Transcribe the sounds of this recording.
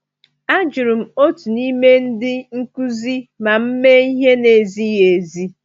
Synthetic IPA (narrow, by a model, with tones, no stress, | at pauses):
a˦d͡ʒʊ˨ɾu˨m̩˨o˦tu˨ni˦me˦n̩˦dɪ˦ŋ̩˦ku˦zi˦ma˨m̩˦me˦i˦ɦe˦ne˨zi˦je˨zi˦